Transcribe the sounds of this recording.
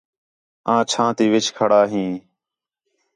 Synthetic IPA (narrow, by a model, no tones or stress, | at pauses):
ãːt͡ʃʰãːt̪iːʋɪt͡ʃʰkʰəɽaːɦĩː